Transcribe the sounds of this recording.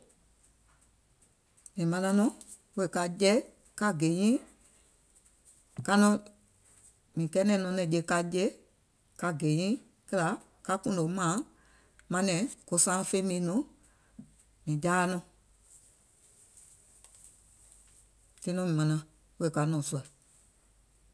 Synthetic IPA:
mĩ˨mã˧nã˧nɔ̃˨˦ | we˦˨ka˧d͡ʒɛ˦ | ka˧ɡe˨˦ɲĩ˦ | ka˧nɔ̃˧˦ | mĩ˨kɛ˧˦nɛ̃˨˦nɔ̃˧nɛ̃˨d͡ʒe˧˨ka˧d͡ʒe˦ | ka˧ɡe˨˦ɲĩ˦ | kɛ˦la˧˦ | ka˧kũ˦ndo˨mãː˨˦ | mã˧nɛ̃˨˦ko˧sãː˦˧˦fe˦mĩ˨˦nũ˨˦ | mĩ˨d͡ʒaː˦˧˦nɔ̃˧˨ | tĩ˦nɔ̃˧mĩ˨mã˨˧nã˧ | we˧˦e˨ka˧nɔ̃˨su˧a˨

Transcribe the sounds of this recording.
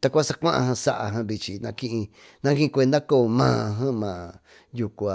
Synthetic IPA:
t̪a˧kʷa˦sa˧kʷã˦ʔã̰˧hã˧sa˦˧ʔa̰˧ɦã˧βi˧t͡ʃi˧nã˧kĩ˦˧ʔĩ˧ | nã˦kĩ˦ĩ˧kʷe˧nd̪a˦ko˦˨mãː˨˧ɦã˦mãː˨ | ju˧ku˧a˧

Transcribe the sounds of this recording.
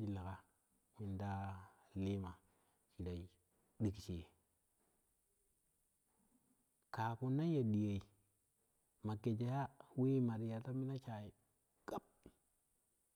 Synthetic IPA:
i˨la˨ka˨ | mi˨nda˦li˦ma˨ | t͡ʃi˨ɾa˨i˨ | ɗi˦kt͡ʃi˨e˨ | ka˨ku˦na˦ja˨ɗi˨je˨i˨ | ma˨ke˨d͡ʒa˨ja˦we˦ma˨ɾi˨ja˨ta˦mi˦na˦t͡ʃa˨ji˨ | ka˦p̚

